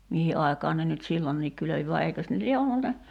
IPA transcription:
mihi ʔɑi̞kɑːn ne nyt silːonːiːk kyløʋi ʋɑ eikøs ne lie olːu ne

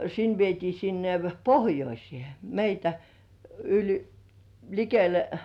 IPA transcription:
sin ʋietiː sinːe pohjoisĭeˑ meitæ ylʲ likele

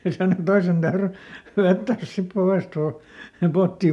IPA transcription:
jɑ sɑno toisen tæyry ʋetːæːs sip poʋeˑst uː se potːi

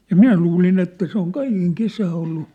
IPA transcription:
jɑ minæ luːlin etːæ se oŋ kɑikeŋ kesæː olːu

